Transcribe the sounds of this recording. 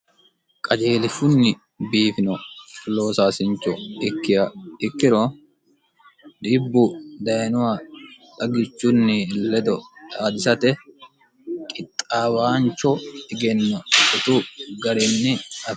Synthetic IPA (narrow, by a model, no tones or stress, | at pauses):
kʼɐd͡ʒeːlɪfʊnːɪ | biːfɪnɔfɪlo̞ːsaːsɪnt͡ʃːɔɪkːɪjɐɪkːɪɾo | d̪ɪbːʊd̪ɐjnʊwɐᶑʼɐɡɪt͡ʃːʊnːɪlɛd̪ɔdaːd̪ɪsɐt̪ɛ | kʼɪt̪ʼːaːwaːnt͡ʃːɔɪɡɛnːɔʔɪt̪uɡɐɾɪnːɪɐ